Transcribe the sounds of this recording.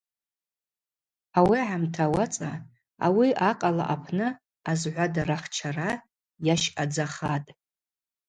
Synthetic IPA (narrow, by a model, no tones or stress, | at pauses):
awiʕamtʰawat͡sʼa | a̰wiʔaqʼala̰ʔapʰnɨ | azʕʷadaɾaχt͡ʃʰara | jaʃad͡zaχatʼ